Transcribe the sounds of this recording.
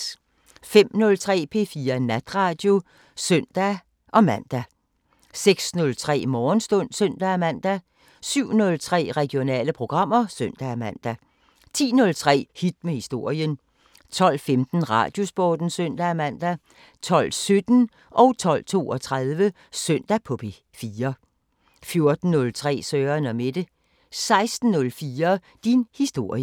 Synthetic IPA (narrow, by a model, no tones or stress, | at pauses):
fem̰nɔ̽lt͡sʰʁɛ̰ːpʰe̝fiːɐnæd̥ʁɑ̈d̥jo̝ | søn̰d̥æ | ʔɒ̽mæn̰d̥æ | seɡ̥snɔ̽lt͡sʰʁɛ̰ːmɒːnsd̥ɔ̽n̰søn̰d̥ææmæn̰d̥æ | syʊ̰nɔ̽lt͡sʰʁɛ̰ːʁɛɡ̥jo̝nɛ̰ːləpʰʁo̝ɡ̥ʁɑ̈m̰ɐsøn̰d̥æmæn̰d̥æ | t͡sʰḭːnɔ̽lt͡sʰʁɛ̰ːhid̥̚mehisd̥o̝ɐ̰jən | t͡sʰɒ̽l̰femd̥n̩ʁɑ̈ːd̥jo̝sb̥ɒːd̥n̩søn̰d̥ææmæn̰d̥æ | t͡sʰɒ̽l̰sød̥n̩ | ʔɒ̽ʊt͡sʰɒ̽l̰t͡sʰo̝̰ːɒ̽t͡sʰʁaðˠʋə | søn̰d̥æpʰɔ̽pʰe̝ | fiːɐ | fjo̝ɐd̥n̩ːɔ̽lt͡sʰʁɛ̰ːsœːɐnɒ̽med̥ə | sɑ̈ɪsd̥n̩ːɔ̽lfiːɐ | d̥inhisd̥o̝ɐ̰jə